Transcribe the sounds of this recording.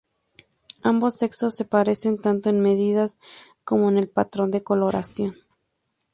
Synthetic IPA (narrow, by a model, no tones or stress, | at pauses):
ambo̞se̞kso̞sːe̞paɾe̞se̞nt̪ant̪o̞enme̞ðiðasko̞mo̞ene̞lpat̪ɾo̞nd̪e̞ko̞lo̞ɾʔa̰sjo̞n